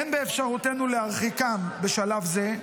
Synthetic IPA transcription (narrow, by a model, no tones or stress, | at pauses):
enbeːfʃaʁute̞nuleaʁχikambe̞ʃalafze̞